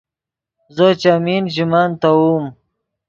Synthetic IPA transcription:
zət͡ʃamind͡ʒimaːnt̪awum

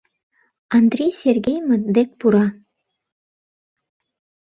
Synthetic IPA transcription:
ɑnd̪ɾʲejsʲerɡʲejməd̪ek̚puɾɑ

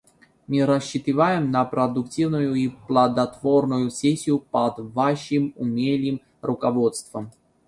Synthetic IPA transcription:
mʲɨɾɐɕːɪt̪ɪvajɪmnɐpɾɐd̪ʊktʲivnʊjʊiplˠɐd̪ɐt̪vo̞rnʊjʊsʲesʲːɪjʊpɐd̪vaʂɨmʊmʲelʲɪjɪm | rʔʊkɐvo̞t̪st̪vəm

